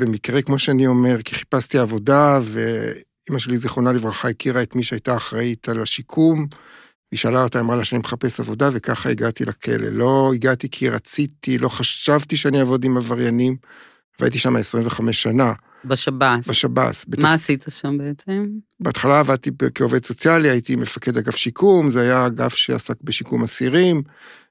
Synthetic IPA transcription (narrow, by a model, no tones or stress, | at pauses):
be̞mikʁe̞kmo̞ʃeanio̞me̞ʁki̥χi̥pastiaːvo̞davḛ | imaʃe̞liziχo̞nalivʁaχaikiʁaet̪miʃeajtaːχʁaitʰalaʃikʰum | viʃaːlaotaamʁalaʃenimeχape̞savo̞dave̞kaχaiɡat̪ilakʰe̞̰lḛlo̞iɡat̪ikʰiʁat͡sit̪ʰilo̞χaʃavt̪iʃeaniavo̞dimavaʁjanim | ava̰dt̪̬iʃamaesʁiɱveχame̞ʃːana | bʃabasbeʃaba̰sbetmmaːsit̪aʃambeet͡sem | beat̪χalaːvad̚t̪ibekeo̞ve̞dso̞t͡sjaliajitime̞fake̞daɡafʃikʰumzeajaɡafʃḛa̰sakbeʃikumasiʁim